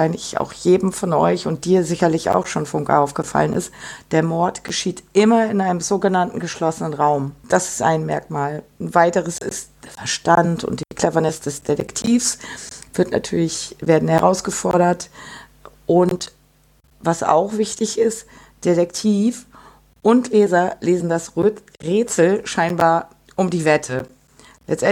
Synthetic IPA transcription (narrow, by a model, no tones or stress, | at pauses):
aɪnlɪça̰ʊxjeːdm̩fɔnʔɔ̰ʏçʊnt̚d̥iːɐzɪçɐlɪça̰ʊxʃoːnfʊŋka̰ʔaʊfɡ̥əfa̰lənʔɪ̰std̥eːɐmɔɐtɡ̥əʃiːtʔɪmɐɪnʔaɪnəmzoːɡənantn̩ɡəʃlɔsənənʁaʊmd̥asɪ̥stʔa̰ɪnmɛ̰ɐkmaːln̩vaɪtəʁəsɪ̰std̥eːɐfɛɐʃtantʊ̰ntd̥ikʰl̥ɛvɐnɪsd̥ɛsd̥edɛ̰ktʰiːfsv̥ɪɐtnʔa̰tʰyːɐlɪçveːɐdn̩hɛʁaʊsɡ̥əfɔɐɾɐt | ʔʊnt | vasa̰ʊxv̥ɪçtɪçɪst | d̥eɾɛktʰiːf | ʔʊntleːzɐleːzn̩dasʁʁeːt͡sl̩ʃaɪnbaːɐ | ʔʊmdiːvɛtʰə | lɛ̰t͡stʔɛ